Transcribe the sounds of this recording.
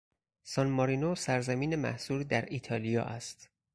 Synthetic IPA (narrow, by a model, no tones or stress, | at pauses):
sɒnmɒɾinosæɾzæmiːnemæ̰hsuːɾd̪æɾiːt̪ʰɒːlijɒ̰ːʔæst̪